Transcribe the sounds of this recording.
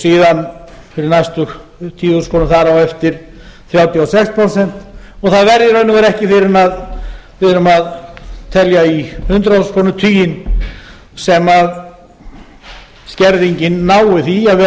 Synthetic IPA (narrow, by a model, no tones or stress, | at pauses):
siːðan | fɪɾɪɾnajst̪ʏ | t̪ʰiːu̥skʰɔːnʏθaɾawɛft̪ɪɾ̥ | θɾjaːwt̪jasɛkspʰɾɔsɛn̥t̪ | ɔɣθaðvɛɾðɪɾœːɥnʏŋɣaɾɛhcɪfɪɾɪnaðfɪðɾʏmaðt̪ʰɛljaihʏnt̪ɾauskʰɔːnʏt̪ʰyːjɪn | sɛmað | scɛɾðiɲcɪnːaːwɪθiaðvɛ